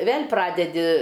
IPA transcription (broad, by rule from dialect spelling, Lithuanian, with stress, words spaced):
ˈʋʲeːlʲ ˈprɑːdʲɛdʲɪ